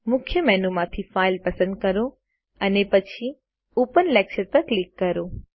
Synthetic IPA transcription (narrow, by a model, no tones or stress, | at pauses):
mʊkʰjəmɛːnumãt̪ʰifaːɪlpɐsə̃nd̪̚kɐɾo | ɐnepɐt͡ɕʰi | oːpənlɛːkʃəɾpɐɾklɪkːɐɾoː